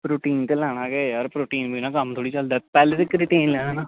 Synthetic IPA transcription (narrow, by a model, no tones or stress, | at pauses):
pɾoːʈiːnt̪elɛːɽ̃ãːkeːjaɾpɾoːʈiːnbinãːkəmt̪ʰoːɽiːt͡ʃəld̪ət̪pɛːlet̪ɪkɾɪʈeːnlɛːnãːnaː